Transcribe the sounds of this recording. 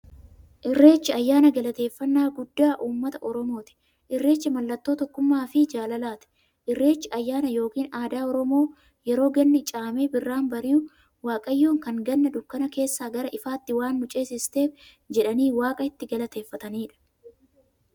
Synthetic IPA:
ʔɪrːe̞ːt͡ʃːɪɐjːaːnɐɡɐlɐt̪e̞ːfːɐnːaːɡʊd̪ːaːʔuːmːɐt̪ɐʔɔɾɔmo̞ːt̪ɪ̥ | ʔɪrːe̞ːt͡ʃːɪmɐlːɐt̪ːo̞ːt̪ɔkːʊmːaːfɪd͡ʒaːlɐlaːt̪ɛ̥ | ʔɪrːe̞ːt͡ʃːɪɐjːaːnɐjo̞ːkiːnaːd̪aːɔɾɔmo̞ː | jɛɾo̞ːɡɐnːɪt͡ʃʼaːmeːbɪrːaːnbɐɾiː | waːkʼɐjːoːŋkɐŋɡɐnːɐd̪ʊkːɐnɐke̞ːsːaːɡɐɾɐʔɪfaːt̪ːɪwaːnːʊt͡ʃʼeːsɪst̪e̞ːf | d͡ʒɛᶑɐniːwaːkʼɐɪt̪ːɪɡɐlɐt̪e̞ːfːɐt̪ɐniːᶑɐ̥

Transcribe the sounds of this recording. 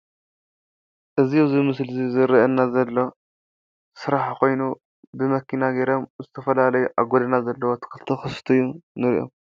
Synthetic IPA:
ʔɨzizimɨslzizɨɾiʔɐnːazɐlːo̞ | sɨɾaħko̞jnu | bɨmɐkʰːinaɡeɾo̞mzɨt̪ʰɐfɐlalɐjuʔaɡod̪ɐnazɐlːɐwot̪ʰɨ̥kɨlt̪ʰɨxɨst̪ʰujːunɨɾ̰ʔo̞̰m

